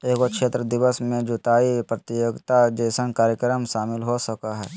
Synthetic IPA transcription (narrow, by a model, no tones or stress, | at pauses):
eːkokʃeːt̪ɾəd̪ɪʋəsmẽd͡ʒʊt̪aːipɾət̪ɪjoːɡt̪ad͡ʒɛːsə̃ŋkaːɾjəkɾəmʃaːmɪlɦosəkaɦɛː